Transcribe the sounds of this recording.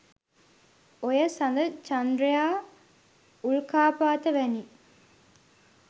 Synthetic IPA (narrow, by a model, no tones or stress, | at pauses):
ojɐsɐnd̪ɐt͡ʃɐnd̪ɾijaː | uɭkaːpaːt̪ɐʋæni